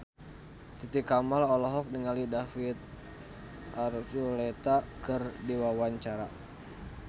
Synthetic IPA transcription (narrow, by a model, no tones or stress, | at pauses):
t̪it̪ikamalɔlɔɦɔk̚niŋalidafit̪̚ | ʔarsulet̪akɨrdiwawaɲt͡ʃaɾa